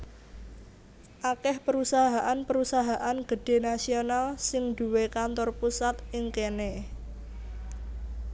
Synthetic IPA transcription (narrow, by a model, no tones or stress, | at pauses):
ʔakɛhpəɾusaɦaʔanpəɾusaɦaʔanɡ̥ə̤ɖ̥e̤nasionalsɪŋd̪̥ṳwekant̪ɔrpusat̪ʔɪŋkene